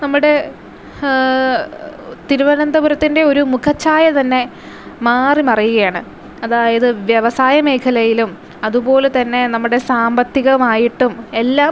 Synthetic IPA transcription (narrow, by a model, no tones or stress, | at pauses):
nɐmːuɽe̞ | t̪iɾuʋɐnɐnd̪ɐbuɾɐt̪ːinde̞o̞ɾumukʰɐt͡ɕːaːjɐt̪ɐnːe̞ | maːrimɐrijuɣɐjaːɳɨ | ɐðaːjɐðɨʋjɐʋɐsaːjɐme̞ːkʰɐlɐjilum | ɐðubo̞ːlt̪ɐnːe̞nɐmːuɽe̞saːmbɐt̪ːiɣɐmaːjiʈːume̞lːaː